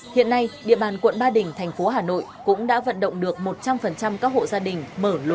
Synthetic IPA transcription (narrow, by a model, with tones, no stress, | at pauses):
hḭ˧˨ənːa˧jɗḭ˧˨əɓaː˨˩nkwə̰˧˨nɓaː˧ɗï˨˩ŋ̟t̪ʰɛ˨˩jŋ̟fo˨˦ɦaː˨˩no̰˧˨jkʊ̰˧˥ŋ͡mɗa̰ː˧˥və̰˧˨nɗə̰˧˨ŋ͡mɗɨ˨˩ək̚mo˨˩t̚t͡ɕa˧mfə˨˩nt͡ɕa˧mkaː˦˥k̚ho̰˧˨zaː˧ɗï˨˩ŋ̟məː˧˩l